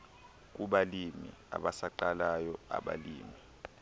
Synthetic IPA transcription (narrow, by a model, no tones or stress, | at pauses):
k̬uɓalimia̰ɓasaǃalajɔa̰ɓa̰lḭːmi